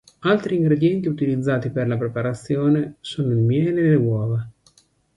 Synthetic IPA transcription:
alt̪ɾiːŋɡɾed̪jɛnt̪iut̪ilid̪zːaːt̪iperlapɾepaɾat̪sːjoːnesoːnoilmjɛːlelewɔːva

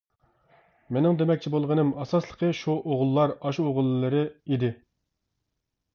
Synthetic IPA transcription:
menɪŋd̪emɛk̚ʲt͡ʃʰibolˠʁənɨmɑsɑslˠə̥qʰəʃuʔoʁlˠːɑɾɑʃoʁəlˠːɨɾɨid̪ɪ

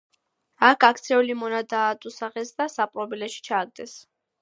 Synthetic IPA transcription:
akʰakʰt̪sʰɛulimɔnad̪aːt̪ʼusaʁɛsd̪asapʼɾɔbilɛʃi̥t͡ʃʰaːɡ̚d̪ɛs

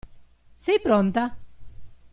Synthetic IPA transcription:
sejpɾont̪a

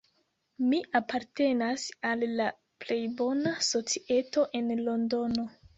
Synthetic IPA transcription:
miʔapaɾte̞nasalːa | ple̞jbo̞naso̞t͡siʔe̞to̞ʔe̞nlo̞ndo̞no̞

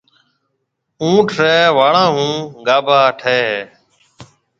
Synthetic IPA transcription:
ũːʈʰɾeːʋaːɭãːɦũːɡaːbʱaːʈʰeːɦeː

